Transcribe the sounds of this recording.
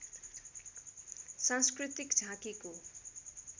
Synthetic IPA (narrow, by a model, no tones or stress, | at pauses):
sãnskrit̪ikd͡zʱãkiko